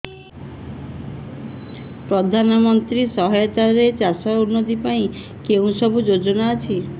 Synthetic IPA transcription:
pɾɔd̪ʱanɔmɔnt̪ɾisɔɦɔjɔt̪aɾet͡ʃasɔunːod̪ipaĩ | keũsɔbud͡ʒod͡ʒɔnaːt͡ʃʰi

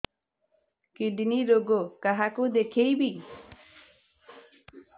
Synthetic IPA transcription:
kiɖiniɾoɡokaɦakud̪ekʰejbi

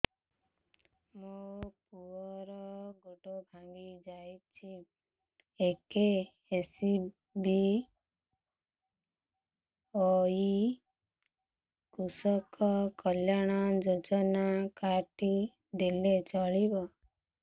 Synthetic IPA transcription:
mopuɔɾɔɡoʈobʱaŋɡid͡ʒajt͡ʃʰi | eke | esi | bi | ɔi | kusɔkɔkɔljaɽ̃ɔd͡ʒod͡ʒɔnakaʈi | d̪elet͡ʃɔɭibɔ

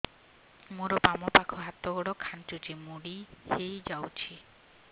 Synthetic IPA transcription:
moɾɔpamɔpakʰɔɦat̪ːɔɡɔɽɔkʰant͡ʃut͡ʃimuɽihejd͡ʒawt͡ʃʰi

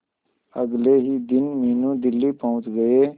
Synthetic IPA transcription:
əɡleɦiːd̪ɪnmiːnud̪ɪlːipəʊ̃t͡ʃɡəeː

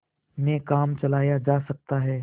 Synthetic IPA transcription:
nekaːmt͡ʃɐlaːjad͡ʒaːsɐk̚t̪aɦɛː

